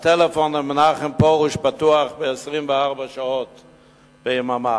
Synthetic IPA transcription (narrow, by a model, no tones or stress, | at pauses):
tɛlɛfɔnəmənaχəmpɔʁuʃpatuaχbɪɛsʁimvəaʁbəʃaɔt | b̥eɪmama